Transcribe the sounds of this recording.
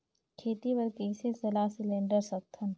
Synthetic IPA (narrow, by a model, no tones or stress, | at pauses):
kʰeːt̪ibɐɾkeːsesɐlasɪlẽːɳɖəɾsɐk̚t̪ʰən